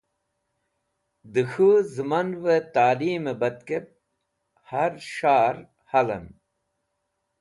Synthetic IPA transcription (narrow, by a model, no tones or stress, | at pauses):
d̪ɨxuzɨmɐnwet̪aːliːmebɐt̪kep̚ | hɐɾɕaːɾ | hɐlɐ̰n